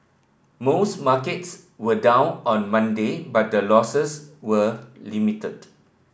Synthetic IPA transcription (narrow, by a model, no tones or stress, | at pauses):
mosmakəts | wədãw̃nɔ̃nmãndebat̚dəlɔsəswəlimitəd